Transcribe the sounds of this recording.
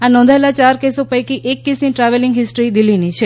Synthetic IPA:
anɔ̃nd̪ʱaelat͡ʃaɾkesopəjkiʔekːisniʈɾaʋelɪŋɡɦɪsʈɾid̪ilːinit͡ʃʰe

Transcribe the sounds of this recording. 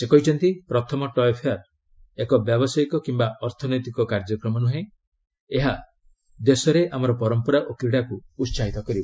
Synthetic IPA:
sekɔɦit͡ʃʰɔnt̪ipɾɔt̪ʰɔmɔʈɔjɔpʰeaɾ | ekɔbjɔbɔsajkɔkimbaɔɾt̪ʰɔnɔjt̪ikɔkaɾd͡ʒɔkɾɔmɔnuɦẽ | eɦa | d̪esɔɾeʔamɔɾɔpɔɾɔmpɔɾaʔokɾiɽakuːt̪saɦit̪ɔkɔɾibɔ

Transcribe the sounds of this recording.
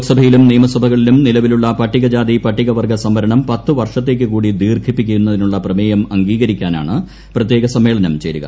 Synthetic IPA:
ksɐbʱɐjilumniːmɐsɐbʱɐɣɐɭilumnilɐʋiluɭːɐpɐʈːiɣɐd͡ʑaːd̪ipɐʈːiɣɐʋɐrɡʱɐsɐmːɐɾɐɳɐmpɐt̪ːɨʋɐrʂɐt̪̬ːe̞ːkːɨkuːɽid̪iːrkʰipːikʲːujunːɐðinuɭːɐprɐmeːjɐmɐŋɡiːɣɐɾikʲːaːna̰ːɳɨ | prɐt̪je̞ːɡɐsɐmːeːɭɐnɐmt͡ɕeɾuɣɐ̰

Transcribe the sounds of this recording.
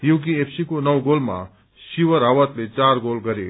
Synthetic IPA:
jukiepʰsikonʌwɡolma̰ | siwʌɾɦawʌt̪let͡saɾɡolɡʌɾe

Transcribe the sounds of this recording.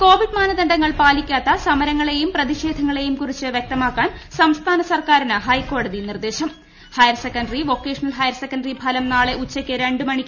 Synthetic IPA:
ko̞ːʋiɖmaːnɐðɐɳɖɐŋːɐɭpaːlikʲːaːt̪ːɐsɐmɐɾɐŋːɐɭe̞jumprɐðiʂeːd̪ʱɐŋːɐɭe̞jumkurit͡ɕːɨʋjek̚t̪ɐmaːkːaːnsɐmst̪ʰaːnɐsɐrkaːɾinɨɦɐjko̞ːɽɐðinird̪e̞ːɕɐm | hɐjɐrsekːɐɳɖriʋo̞kːe̞ːʂɐnɐlɦɐjɐrsekːɐɳɖripʰɐlɐmnaːɭe̞ʔut͡ɕːɐkʲːɨɾe̞ɳɖɨmɐɳikʲː

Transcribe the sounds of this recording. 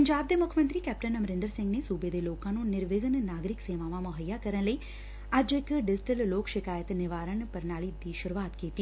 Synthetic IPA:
pəɲd͡ʒaːb̚d̪eːmʊkʰjəmənt̪ɾiːkɛːp̚ʈənəmɾɪ̃nd̪əɾsɪ̃ŋɡnesuːbeːd̪eːloːkãːnũːnɪɾʋeːɡənnaːɡɾɪkseːʋãːʋãmʊɦəjːaːkəɾənləiː | ɐd͡ʒɪkɖɪd͡ʒɪʈəlloːkʃɪkaːjət̪nɪʋaːɾəɳpəɾnaːɭiːd̪iːʃʊɾuaːt̪kiːt̪iː

